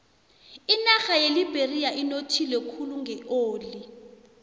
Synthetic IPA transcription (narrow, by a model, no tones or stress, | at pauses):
inaxajelibʱeriaʔinotʰilɛkʰuluŋɡʱɛoːli